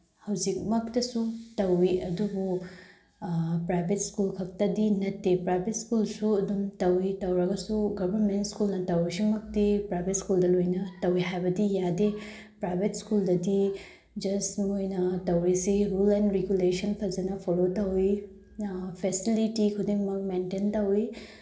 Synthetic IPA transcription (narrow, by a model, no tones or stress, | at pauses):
hɐwzik̚mɐk̚tɐsutɐwiɐdubu | pɾajbʱetskulkʰɐk̚tɐdinɐtːepɾajbʱetskulsuɐdumtɐwitɐwɾɐɡɐsuɡɐbʱɐɾmentskulnɐtɐwisimɐk̚tipɾajbʱetskuldɐlojnɐtɐwiɦajbɐdijade | pɾajbʱetskuldɐdi | d͡ʒɐsmojnɐtɐwɾisiɾulenɾeɡjulesɐnpʰɐzɐnɐpʰoɾotɐwi | pʰesilitikʰudiŋmɐk̚mententɐwi